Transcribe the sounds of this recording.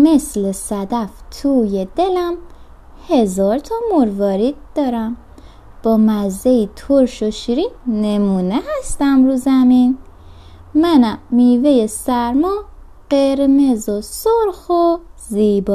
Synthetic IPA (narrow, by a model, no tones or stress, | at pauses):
meslesæd̪æft̪ʰuːjed̪e̞læm | he̞zɒːɾt̪ʰɒmoɾvɒːɾid̪̥ɒːɾæm | b̥ɒːmæzːeit̪ʰoɾʃoʃiɾinemuːnehæst̪æmɾuzæmin | mænæmːiːvejesæɾmɒ | ɢ̥eɾme̞zosoɾxoziːbɔː